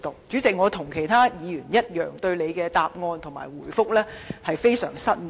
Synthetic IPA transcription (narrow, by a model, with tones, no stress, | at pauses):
t̪o˨wt͡syː˨˥t͡sɪ˨k̚ŋɔː˨˧t̪ʰʊ˨˩ŋkʰe˨˩jt̪ʰaː˥jiː˨˧jyː˨˩njɐ˥t̚jœː˨ŋt̪ɵ˧ɥle˨˧jkɛː˧t̪aː˨p̚ŋɔː˧nt̪ʰʊ˨˩ŋma̰ː˨˩jwuː˨˩jfʊ˥k̚lɛː˥hɐ˨jfe˥jsœ̰ː˨˩ŋsɐ˥t̚